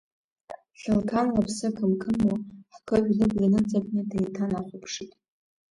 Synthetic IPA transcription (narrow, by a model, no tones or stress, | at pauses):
ɬɨlkʰanlapʰsɨkʰɨmkʰɨmoħkʰɨʒᶣlɨbʼrinɨt͡sʼakʷʼnɨdajtʰanaχʷʊpʰʂitʼ